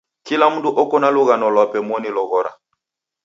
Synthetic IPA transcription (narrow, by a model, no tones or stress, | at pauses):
kilamuduʔɔkɔnaluɣanɔlwɔpɛmɔnilɔɣɔɾa̰